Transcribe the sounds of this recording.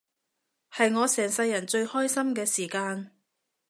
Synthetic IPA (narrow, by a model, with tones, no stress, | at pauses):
hɐ˨jŋɔː˨˧sɛː˨˩ŋsɐ˧jːɐ˨˩nt͡ʃɵ˧ɥhɔː˥jsɐ˥mkɛː˧siː˨˩kaː˧n